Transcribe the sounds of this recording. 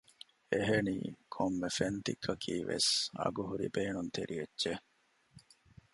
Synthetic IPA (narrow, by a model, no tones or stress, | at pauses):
eɦeniːkʰomːefent̪ikʰːɐkʰiːʋḛsɐ̰ɡuɦuɾibeːnunt̪eɾʔietːt͡ʃe